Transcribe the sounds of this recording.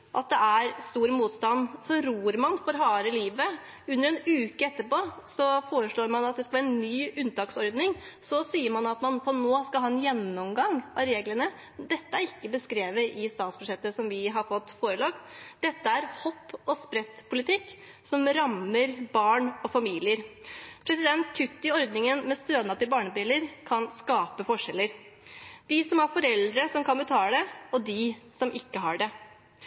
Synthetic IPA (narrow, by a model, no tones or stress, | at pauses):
ʔɑ̰t̪̚d̪ɛʔæɾst̪uːɾmuːt̪st̪ɑnsɔɾuːɾmɑnfɔɾɦɑːɾəliːʋə | ʉnːəɾɛnʉːkəɛt̪ːəɾpoːsɔfoːɾəʂɭoːɾmɑnɑt̪̚d̪ɛskɑlʋæːɾɛnːyːʉnːt̪ɑːksɔɾd̪nɪŋsɔsiːəɾmɑnɑt̪mɑnfɔnːoːskɑlɑːɛnjɛnːɔmɡɑŋːɑɾeːɡləɳə | d̪ɛt̪ːəæɾɪkːəbəskɾeːʋəʔɪst̪ɑːt̪spʰɾʊʂɛt̪ːəsɔmʋɪɦɑɾfɔt̪ːfoːɾəlɑːkd̪̥ɛt̪ːəæɾhɔpːɔspɾɛt̪ːpʰʊlɪt̪ʰɪkː | sɔmɾɑmːəɾbɑːɳɔfɑmiːlɪəɾpʰɾɛsɪd̪ɛnt̪̚t̪ʰːʏt̪ːɪɔɾd̪nɪŋənmɛst̪øːd̪nɑt̪ːɪbɑːɳəbɪləɾkʰɑnskɑːpəfɔʂɛlːəɾ | d̪̥ɪsɔmæɾfɔɾɛld̪ɾəsɔmkʰɑnbət̪ʰɑːləd̪ɛɔd̪ɪsɔmʔɪkːəɦɑɖɛ